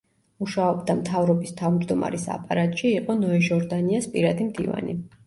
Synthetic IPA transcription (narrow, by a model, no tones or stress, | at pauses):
uʃaɔbd̪amt̪ʰavɾɔbist̪ʰavmd͡ʒd̪ɔma̰ɾisa̰pʼaɾat̪ʼʃiːqʼɔnɔɛʒɔɾd̪aniaspʼiɾad̪imd̪ḭva̰nḭ